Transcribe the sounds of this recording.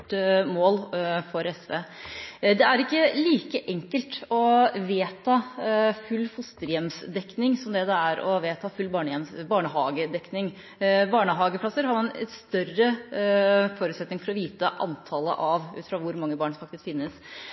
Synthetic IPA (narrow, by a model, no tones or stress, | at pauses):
moːlfɔɾɛsʋeːd̪ɛæɾɪkːəliːkəʔɛŋkəlt̪ɔʋeːt̪ʰɑːfʉlːfʊst̪əɾjɛmsd̪ɛknɪŋsɔmd̪ɛd̪ɛæɾɔ̰ʋeːt̪ʰɑːfʉlːbɑːɳəjɛmsbɑːɳəɦɑ̰ːɡəd̪ɛknɪŋ | bɑːɳəɦɑːɡəpʰlɑsəɾhɑɾmɑnɛ̰t̪st̪œrə | foːɾʉt̪sɛt̪nɪŋfɔɾɔʋiːt̪əʔɑ̰nt̪ʰɑːlə̰ʔɑʋʉ̰ːt̪fɾɑʋʊɾmɑŋːəbɑːɳfɑkt̪ɪskfɪnːəs